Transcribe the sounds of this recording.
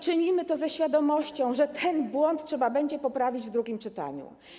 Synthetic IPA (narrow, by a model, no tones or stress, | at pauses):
t͡ʂɘɲimɘt̪ɔzɛɕfʲjad̪ɔmɔɕt͡ɕɔ̃w̃ʐɛt̪ʰɛnbwɔnt̪ʂɛbabɛɲd͡ʑɛpɔpɾavʲid͡ʑvd̪ɾuɡʲimt͡ʂɘt̪a̰ɲṵ